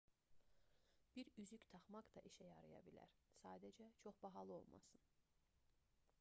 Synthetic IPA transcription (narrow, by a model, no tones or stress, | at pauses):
b̥iɾyzyct̪ʰɑχmɑkd̪ɑʔiʃæjɑɾɯjɑ̰bilæ̰ɾsɑːd̪æd͡ʒæt͡ʃʰo̞χb̥ɑɦɑlˠɯo̞̰lˠmʔɑ̰sɯn